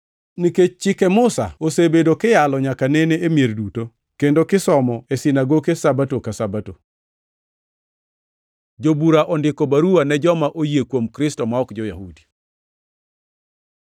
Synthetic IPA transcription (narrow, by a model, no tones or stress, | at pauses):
niket͡ʃt͡ʃɪkɛmʊsa̰osebedokɪjalɔɲakaneneemjerduto | kendokɪsɔmɔesɪnaɡokesabatokasabato | d͡ʒobuɾaʔɔndɪkɔbaɾuwanɛd͡ʒɔmaʔojekwomkɾɪstɔmaɔkd͡ʒɔja̰hudi